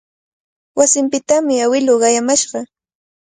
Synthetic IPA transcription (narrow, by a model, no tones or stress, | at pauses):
wasɪmpɪt̪amɪawɪloːɢɑjamaʃɢɑ